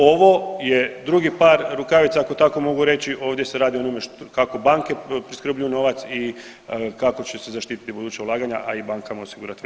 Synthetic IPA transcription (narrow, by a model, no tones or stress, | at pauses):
o̞ʋo̞je̞d̪ɾuɡipaːɾɾukaʋit̪saako̞t̪ako̞mo̞ɡuɾe̞t͡ɕiʔo̞ːʋd̪je̞seɾaːd̪ionomeʃtokako̞baːŋke̞pɾiskɾr̩blʎujuno̞ʋat̪si | kako̞t͡ɕesezaʃt̪iːt̪i̥t̪ibud̪uːt͡ɕeulˠaːɡaɲaʔaibaːŋkamaosiɡuɾat̪i